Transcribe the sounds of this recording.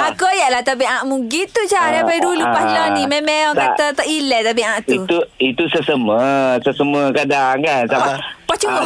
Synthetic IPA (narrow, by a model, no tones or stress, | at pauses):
akəjaʔlat̪ap̬iãʔmuɡit̪ut͡ʃaɾapadulupalɔnimɛ̃mɛɔkat̪at̪əʔilɛt̪ap̬iãʔt̪uit̪uit̪usəsəməsəsəməkadaŋkansampat͡ʃu